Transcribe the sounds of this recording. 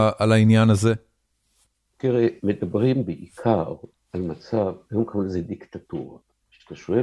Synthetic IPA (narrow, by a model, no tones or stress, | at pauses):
ʔalainjanaze̞ | kiʁemed̪abʁimbeʔikʰaʁ | almat͡savajomkʰamulzed̪ikt̪at̪uʁa̰ | ʃt̪aʃoe